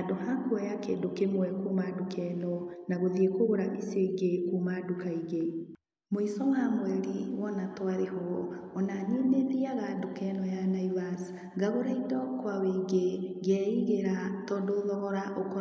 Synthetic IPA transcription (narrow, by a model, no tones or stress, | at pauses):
adohakwɛjakḛːdokemwɛkumadukʰɛnɔnaɣoðiekoɣoɾaʔiseɡekumadukaiɣe | moisɔwaŋwɛɾiwɔnatwaɾehɔɔnanineðiaɣadokɛnɔjanaiβas | ɡaɣoɾaidɔkwaweiɡeɡɛiɣeɾatɔdoðɔɣɔɾaʔokɔ